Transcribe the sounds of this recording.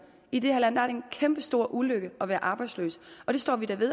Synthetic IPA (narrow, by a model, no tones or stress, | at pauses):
id̥ehæɐlæn̰d̥ɑæɐdenkʰemb̥əsd̥o̝ɐ̰ʔuløɡ̥əɒ̽ʋæːɐʔɑ̈ːb̥ɑ̈ɪslø̰ːsə̥ɒɾ̥e̝sd̥ɒ̰ːʋid̥æɐʋe̝ðˠ